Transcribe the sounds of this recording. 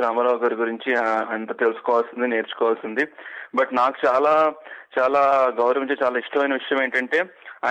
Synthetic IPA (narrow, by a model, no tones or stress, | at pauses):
ɾaːmɐɾaːʋɡaːɾɡuɾiɲt͡ʃiɐnt̪ɐːt̪elusu̥kɔːʋaːlsind̪ine̞ːɾt͡ʃu̥kɔːʋaːlsind̪ibɐʈnaːku̥t͡ʃaːlaːt͡ʃaːlaːɡɐwɾɐʋɐɲt͡ʃet͡ʃaːlaːiʂʈʰɐmɐjnɐʋiʂɐjɐme̞ːɳʈɐɳʈe̞ːa